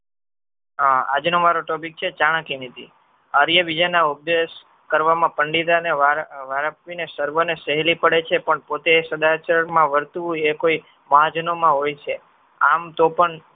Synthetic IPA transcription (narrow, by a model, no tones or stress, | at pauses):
a̰d͡ʒnomaɾoʈɔpik̚t͡ʃʰet͡ʃaɽ̃əkinit̪ḭ | əɾjəʋid͡ʒanaubjes | kəɾʋamãpəɳɖid̪aneaʋaɾəpʋinesəɾʋənesəɦlipəɽet͡ʃʰepəɳpot̪eːsəd̪at͡ʃəɾəɳmãʋəɾt̪uekoi | mad͡ʒnomãɦojt͡ʃʰe | amt̪opəɳ